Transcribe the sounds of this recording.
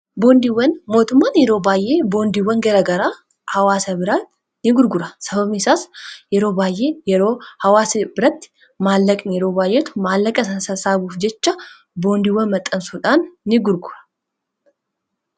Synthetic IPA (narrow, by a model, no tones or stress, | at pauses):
bo̞ːnd̪iwːɐnmo̞ːt̪ʊmːaːnjɛɾo̞ːbaːjʔe̞ːbo̞ːnd̪iwːɐŋɡɐɾɐɡɐɾaː | hɐwaːsɐbɪɾat̪ | nɪɡʊɾɡʊɾɐsɐbɐbɪsaːsjɛɾo̞ːbaːjʔe̞ːjɛɾo̞ːhɐwaːsɐbɪɾɐt̪ːɪ̥ | maːlːɐkʼnjɛɾo̞ːbaːjʔeːt̪ʊ̥maːlːɐkʼɐɐsɐsaːbuːfd͡ʒɛt͡ʃːɐ | bo̞ːnd̪ɪwːɐnmɐt̪ʼːɐnsuːᶑaːnːɪɡʊɾɡʊɾɐ̥